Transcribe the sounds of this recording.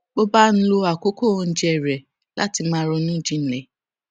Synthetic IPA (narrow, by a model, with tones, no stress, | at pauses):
ɡ͡bo˦ba˦n̩˦lo˧a˨ko˨˦ko˦˨ɔ̃˧n̩˦d͡ʒɛ˦˨ɾɛ˨ | lʔa̰˦ti˧mãː˦ɾɔ˧nũ˦˨d͡ʒĩ˨˦n̩˨lɛ˨